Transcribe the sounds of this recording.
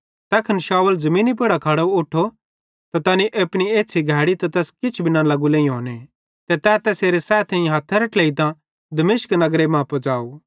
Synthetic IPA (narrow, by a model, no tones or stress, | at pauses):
t̪ɛːkʰənʃaːwəld͡zɐmĩːnip̬ɪɽakʰaːɽoʊʈʰo | t̪at̪ɐniʔɐpɽ̃ieːtːsʰiɡʱɛːɽit̪ɐt̪ɛːskɪt͡ʃʰbʱɪnãlɐɡulẽːĩɦoːne | t̪ɛt̪ɛt̪ɛːseːɾesɛːt̪ʰẽĩɦat̪ʰːəɾɐʈleːit̪ã | d̪ɐmɪːʃknɐɡɾemãːpod͡ʒaːo